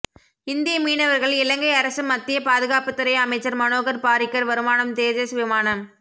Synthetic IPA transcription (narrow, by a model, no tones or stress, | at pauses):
ɪnd̪ɪjɐmiːnɐʋɐɾɣɐɭɪlɐŋɡɐɪɐɾɐsɯmːɐt̪ːɪjɐpaːðɯɣaːpɯt̪ːɯɾɐɪɐmɐɪt͡ʃːɐɾmɐnoːɣɐɾpaːɾɪkːɐɾʋɐɾɯmaːnɐmt̪eːd͡ʒɐsʋɪmaːnɐm